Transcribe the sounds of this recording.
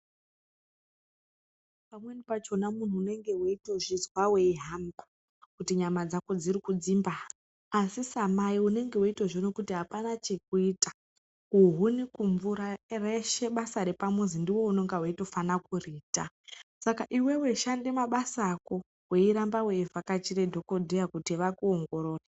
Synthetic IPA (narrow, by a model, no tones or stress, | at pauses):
pamwenipat͡ʃo̞namun̤uːne̞ŋɡe̞woito̞ʐizwawe̞iɦamba | kutiɲamad͡zakod͡zirikud͡zimbaː | sisamaiune̞ŋɡe̞uito̞ʐono̞kutiɦapanat͡ʃek̚uiːtḁ | kuɦunikuɱvuɾareʃe̞ɓasaɾepamwuzindiwo̞unoŋɡawaito̞fanakuriːta | sakaʔiwe̞we̞ʃande̞maɓasaːko̞ | we̞iɾambawe̞ivʱakat͡ʃire̞dʱo̞ko̞dʱejakutiʋakuoŋɡo̞ɾo̞ːra